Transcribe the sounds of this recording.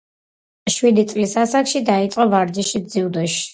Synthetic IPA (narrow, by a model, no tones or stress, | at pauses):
ʃwid̪it̪sʼlisasakʃid̪ait̪sʼqʼɔvaɾd͡ʒiʃid̪ziud̪ɔʃi̥